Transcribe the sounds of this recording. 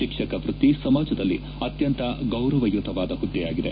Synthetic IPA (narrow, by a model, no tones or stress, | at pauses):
ʃikʂɐkɐʋɾut̪isɐmaːd͡ʒɐd̪ɐlːi | ɐt̪jɐnt̪ɐɡɐwɾɐʋɐjut̪ɐʋaːd̪ɐɦud̪ːijaːɡid̪e̞̰